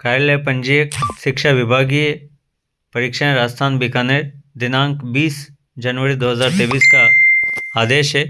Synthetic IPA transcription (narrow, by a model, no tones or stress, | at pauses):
kaːlepə̃ɲd͡ʒijekʃɪkʃaʋɪbʱaːɡie | pɐɾikʃãɾaːst̪ʰaːnbikaneɾd̪ɪnãːŋkbiːs | d͡ʒɐnʋəɾid̪oːɦəzaːɾt̪eːʋiːskaː | d̪eːʃe